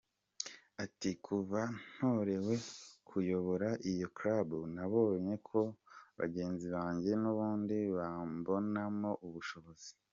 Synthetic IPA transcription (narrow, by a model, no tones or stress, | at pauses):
atikʰuvan̥hoɾe̞we̞kʰujo̞βo̞ɾaʔijo̞kɾabunaβo̞ɲe̞kʰo̞βa̰ɟe̞ːnziβaːɲɟe̞nuβuːndiβambo̞namo̞ʔuβuʃo̞βo̞z̥i̥